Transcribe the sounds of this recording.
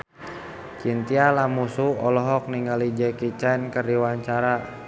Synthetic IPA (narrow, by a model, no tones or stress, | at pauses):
t͡ʃint̪ialamusuɔlɔɦɔk̚niŋɡalid͡ʒɛkit͡ʃɛnkərdiwaɲt͡ʃaɾa